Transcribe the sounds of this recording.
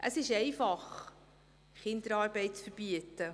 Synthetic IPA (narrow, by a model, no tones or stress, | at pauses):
ʔə̰sɪʃɛɪfɑχ | χɪnd̥̪əɾɑːɾbɛɪt̚t͡sfəɾb̥iətə